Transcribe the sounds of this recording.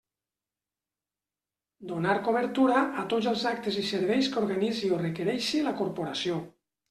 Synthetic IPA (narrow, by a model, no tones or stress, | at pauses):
d̪onaɾkoβəɾt̪uɾaʔat̪ozəlˠzak̚t̪əziseɾβ̞ɛjskoɾɣaniziorekeɾɛʃilakoɾpoɾasio